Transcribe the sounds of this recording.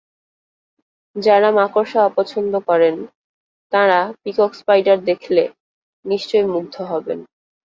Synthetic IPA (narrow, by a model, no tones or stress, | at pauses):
d͡ʑaɾamakoɾʃaapɔt͡ɕʰond̪okɔɾen | t̪ãɾapikokspajɖaɾd̪ekʰle | niʃt͡ɕojmuɡ̚d̪ʱoɦɔbḛn